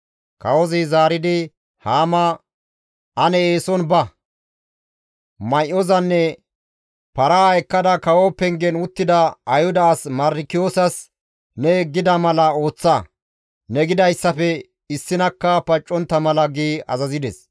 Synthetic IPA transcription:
kɐwɔzɪzaːɾɪd̪ɪ | haːmɐ | ʔɐnɛeːsɔnbɐ | mɐjʔɔzɐnːɛ | pɐɾaɛkːɐd̪ɐkɐwɔpɛŋɡɛnʊt̪ːɪd̪ɐɐjhʊd̪ɐːsmɐɾɪkɪjoːsɐs | nɛɡːɪd̪ɐmɐlɐo̞ːt͡sːɐ | nɛɡɪd̪ɐjsːɐfɛ | ɪsːɪnɐkːɐpɐt͡ʃʼːɔnt̪ːɐmɐlɐɡiːɐ̰zɐzɪd̪ɛs

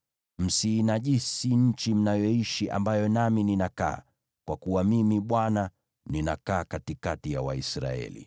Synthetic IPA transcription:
m̩siːnaʄisiɲ̩t͡ʃim̩najɔiʃiʔa̰mbajɔnamininaka̰ː | kwakuwamimiɓwana | ninakaːkatikatijawaisɾa̰ɛ̰lḭ

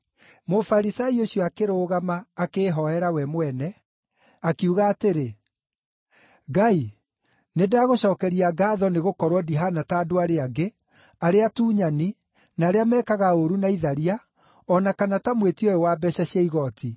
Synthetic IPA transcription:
mofaɾisaioɕjɔakeɾoːɣamaːkeːɦɔɛɾawɛmwɛnɛ | akiuɣaːteɾe | ɡai | nedaːɣoɕɔːkɛɾiaɡaːðɔneɣokɔɾwɔdiɦanataːdoaɾeaɡe | aɾeatuːɲani | naːɾeamɛːkaɣaoɾunaiðaɾia | ɔnakanatamwetiɔjɔwaːbɛɕɛɕjaiɣɔtʰi

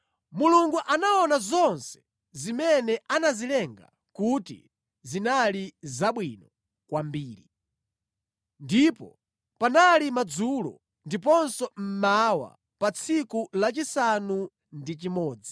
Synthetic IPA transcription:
muluŋɡuʔanaɔnazɔnsɛ̥ | zimɛnɛʔanazilɛŋɡa̰ | kutḭ | zinalizaɓwinɔ | kwambiːɾi | ndipɔ̰ | panalimad͡zulɔ̰ | ndipɔnsɔm̩mawa̰ | pat͡sʰikulat͡ʃisanu | ndit͡ʃimɔːd͡zi̥

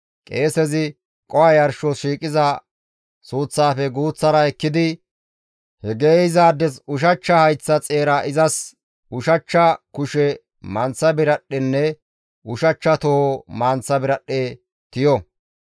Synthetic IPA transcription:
kʼeːsɛzɪ | kʼɔɐjɐɾʃɔsʃiːkʼɪzɐ | suːt͡sːaːfɛɡuːt͡sːɐɾɐɛkːɪd̪ɪ | hɛɡeːɪzaːd̪ːɛsʊʃɐt͡ʃːɐhɐjt͡sːɐt͡sʼe̞ːɾɐʔɪzɐs | ʊʃɐt͡ʃːɐkʊʃɛ | mɐnt͡sːɐbɪɾɐɗːɛnːɛ | ʊʃɐt͡ʃːɐt̪ɔhomaːnt͡sːɐbɪɾɐɗːe | t̪ɪjɔ

